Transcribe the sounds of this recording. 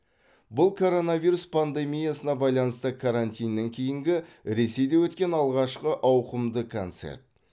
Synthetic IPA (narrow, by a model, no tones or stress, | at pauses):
bʊlˠkʰo̞ɾo̞naviɾuspʰand̪e̞mʲijasənɑbɑjlˠɑnəst̪əkʰaɾant̪ʲijnːeŋkʲʰejɪŋɡʲɪɾe̞se̞jd̪ewɵt̪kʲe̞nɑlˠʁɑʃqəʔɑwqəmd̪əkʰo̰nt̪se̞̰ɾt̪̚